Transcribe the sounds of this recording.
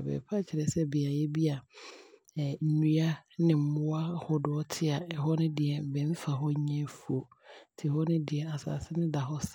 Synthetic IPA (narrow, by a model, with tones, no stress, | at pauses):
bɛ̰˨pʰa˦˨t͡ɕʰɪ˨ɾɛ˨sɛ˦bi˨a˨jɛ˦bi˦a˨ | n̩˨nũ˦a˦nɪ̃˨m̩˨mʊ̃˦a˦hɔ˦dʊ˦ɔ˦tʰɪ˦a˨ɛ˨ɦɔ˦nɪ̃˦dɪ˨ɛ˨m̩˨bɛ̃˨m˦fa˨ɦɔ˦ɲɛ̃˦fu˨o˨tʰɪ˨hɔ˦nɪ̃˦dɪ˨ɛ˨a˨sa̰ː˨sɪ˦nɪ̃˦da˨ɦɔ˦s